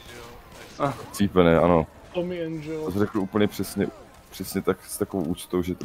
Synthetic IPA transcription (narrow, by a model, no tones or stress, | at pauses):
t͡siːpɛnɛʔano | t̪omɪɛnʒɛosrɛkl̩uːpl̩ɲɛpr̥ɛsɲɛ | pr̝̥ɛsɲɛt̪akst̪akovowʔuːt͡ʃt̪owʒɛt̪